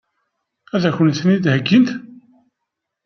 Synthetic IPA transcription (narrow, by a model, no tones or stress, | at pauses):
æðæçənθnid̪həɡːint̪